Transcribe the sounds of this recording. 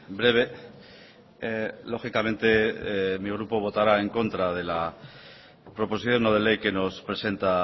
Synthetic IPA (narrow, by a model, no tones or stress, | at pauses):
bɾe̞β̞e̞ | lo̞xikamẽ̞nt̪e̞miɣ̞ɾupo̞β̞o̞t̪aɾae̞ŋko̞nt̪ɾað̞e̞la | pɾo̞po̞s̬iθjo̞noð̞e̞le̞jke̞no̞spɾese̞nt̪a